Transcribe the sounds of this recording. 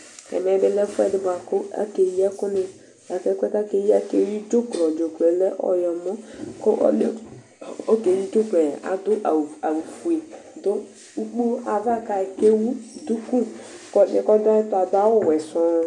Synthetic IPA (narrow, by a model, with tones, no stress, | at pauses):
ɛ̰˨mɛ˨˦bɪ˦lɛ˦fɛ˦˨dɪ˦ba˨kʊ˦a̰˦ke˨jɛ˦kʊ˦nɪ˨ | a˨kɛ˦kʷɛ˦ta˦ke˦ji˦a˦ke˦˨ji˦d͡ʒo˦klɔ˨d͡ʒo˨klɛ˨lɛ˦ʔɔ̰˨jɔ˨mɔ˦ko˦ʔn˦ | o˦ke˨ji˦d͡ʒo˦klɛ˨a̰˨dʊ˦ʔa˨wu˨fu˨e˨do˦ | u˦k͡pu˦a˨va˦ka˨ke˦wu˦du˦ku˦kɔ˦nḛ˦˨kɔ˦da˦ɪ˦ta˨da˦wo˦˨wɛ˨sʊ˨˦